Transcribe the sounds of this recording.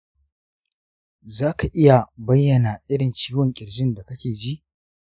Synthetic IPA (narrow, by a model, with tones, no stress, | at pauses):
zaː˦ka˨ʔɪ˦ja˨bɐ˦jːɐ˨na˨ʔɪ˦ɽɪ˨nt͡ʃiː˦wɔ˨ŋkʲʼɪ˨ɽd͡ʒɪ˦nda˨kɐ˦kʲeː˨d͡ʒi˦ʔ